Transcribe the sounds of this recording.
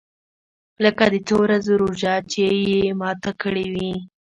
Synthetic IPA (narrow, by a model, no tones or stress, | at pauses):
ləkad̪ət͡sowɾazoɾoʒɑt͡ʃejemɑt̪akəɽewi